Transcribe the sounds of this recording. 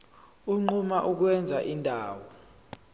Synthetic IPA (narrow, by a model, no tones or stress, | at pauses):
uŋ͡ǃumaʔuk̬wɛnd͡zʱaʔindʱaːwɔ